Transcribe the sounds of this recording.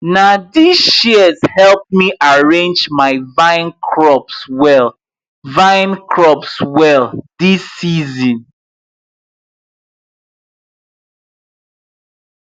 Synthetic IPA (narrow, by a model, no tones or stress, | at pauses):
nadisiəz̥hɛlˠp̚miʔaɹẽnd͡ʒmaɪvãɪ̃nkʰɹɔpswɛlˠ | vãɪ̃nkʰɹɔpswɛldisːizĩn